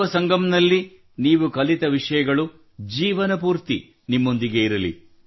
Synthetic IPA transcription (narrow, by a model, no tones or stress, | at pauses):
ɐsɐŋɡɐmnɐlːi | niːʋukɐlit̪ɐʋiʂɐjɐɡɐɭu | d͡ʒiːʋɐnɐpuːɾt̪i | nimːo̞nd̪iɡe̞iɾɐlḭ